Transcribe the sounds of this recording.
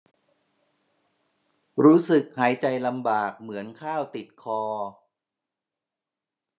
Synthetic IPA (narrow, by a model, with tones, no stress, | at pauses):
ɾuː˦˥sɯ˨˩k̚haː˩˦jt͡ɕa˧jla˧mbaː˨˩k̚mɯ˩˦ənkʰaː˥˩wt̪i˨˩t̪̚kʰɔː˧